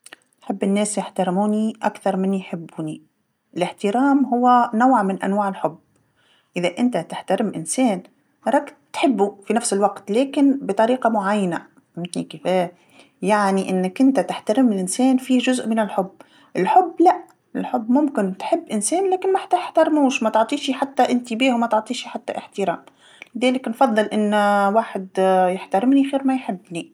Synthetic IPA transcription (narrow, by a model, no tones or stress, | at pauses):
nħɪbːɪnːeːsjɪħt̪ɑɾmuːniʔa̰kθɑɾˤmɪnːijħɪbːuːni | ʔɪlɪħt̪ɪɾɑːmɦʊwːanawʕmɪnʔa̰nwaːʕɪlħʊbː | ʔɪðaʔɪnt̪at̪ɪħt̪aɾɪmʔɪnseːn | hɑɾˤɑk | t̪ħɪbːufinafsɪlwaɡt̪leːkɪnbɪt̪ˤɑɾiːqɑmʊʕajːana | mɪt̪nikɪfeː | jaʕniʔɪnːɪkʔɪnt̪at̪ɪħt̪aɾɪmɪlʔɪnsɛːnfiːʒʊzʔmɪnɪlħʊbː | ʔɪlħʊbːlaʔ | ʔɪlħʊbːmʊmkɪnt̪ħɪbːʔɪnseːnlæːkɪnmaħḁt̪ːaj̪ɪħt̪ɑɾˤmuːʃmat̪ɪʕt̪ˤiːʃiħat̪ːaʔɪnt̪ibiːhwmæt̪ɪʕt̪ˤiːʃiħat̪ːa̰ʔɪħt̪ɪɾɑːm | lɪðɛːlɪknfɑðˤːɨlʔɪnːwaːħɪd̪jɪħt̪aɾɪmniɣiːɾmajħɪbːni